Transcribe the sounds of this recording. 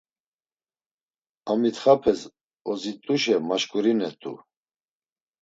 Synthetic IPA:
amit̪χapʰɛz | ɔzit̪ʼuʃɛmaʃkʼuɾinɛt̪ʼṵ

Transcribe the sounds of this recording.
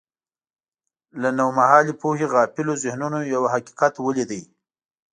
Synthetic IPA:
lanawmahɑlipoheɣɑpɪlozɪhnunojawaɦaqi̥qat̪wəlid̪əj

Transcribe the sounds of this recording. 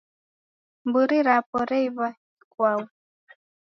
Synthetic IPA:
mbuɾiɾapɔɾɛiβa | ikwawu

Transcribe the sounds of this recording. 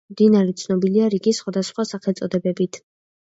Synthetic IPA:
md̪inaɾɛt̪sʰnɔbiliaɾiɡisχwad̪asχwasaχɛlt̪sʼɔd̪ɛbɛbit̪ʰ

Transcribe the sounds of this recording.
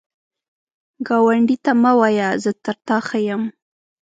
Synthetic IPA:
ɡɑwaɳɖit̪amawɑjazət̪aɾt̪ɑxajəm

